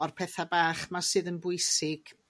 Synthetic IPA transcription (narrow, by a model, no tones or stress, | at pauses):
ɔrpʰɛθabaːχmasɨːðənbʊɨsɪɡ̥